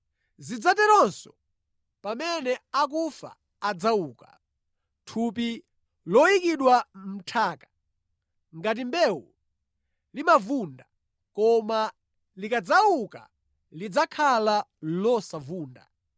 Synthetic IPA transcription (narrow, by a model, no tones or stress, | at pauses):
zid͡zatɛɾɔnsɔ | pamɛnɛak̬ufa̰ | ad͡zawuːka | tʰupi | lɔjikiɗwam̩tʰaːkḁ | ŋɡat̬imbɛwu | limavunda | kɔma | likad͡zawuka̰ | lid͡zakʰalalɔsavuːnda̰